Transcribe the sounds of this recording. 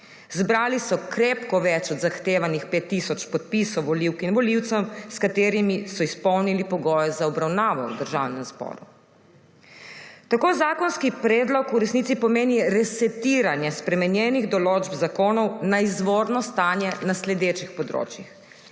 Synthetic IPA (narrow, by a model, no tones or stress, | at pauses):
zbɾaːlisɔkɾeːpkɔʋɛt͡ʃɔd̪zaxt̪eːʋanixpeːt̪ːisɔt͡ʃpɔt̪̚pisɔwʋɔliwkinʋɔliwt̪sɛmskat̪eːɾimisɔispɔwnilipɔɡɔːjɛzaɔbɾawnaːʋɔṵd̪əɾʒaːwnɛmzbɔ̰ːɾu | t̪akoːzaːkɔnskipɾɛːd̪lɔkuɾɛsnit̪sipɔmeːniɾɛsɛt̪iːɾanjɛspɾɛmɛnjɛniɣd̪ɔloːd͡ʒbzakoːnɔwnaizʋoːɾnɔst̪aːnjɛnaslɛd̪eːt͡ʃixpɔd̪ɾo̰ːt͡ʃjix